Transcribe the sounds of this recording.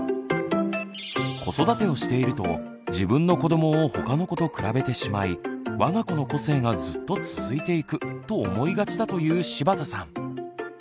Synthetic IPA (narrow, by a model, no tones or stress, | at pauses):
kʰo̞so̞d̪at̪e̞o̞ɕi̥t̪e̞iɾɯ̟t̪o̞̰ | d͡ʑibɯ̟̃nːo̞ko̞d̪o̞mo̞ːho̞kano̞ko̞t̪o̞kɯ̟ɾabe̞t̪e̞ɕimaiβaŋako̞no̞ko̞se̞ːŋazɨt̪ːo̞t͡sɨ̥zɨit̪e̞ikɯ̟t̪o̞ːmo̞iɡat͡ɕid̪at̪o̞jɯ̟ːɕibat̪asã̰ŋ̃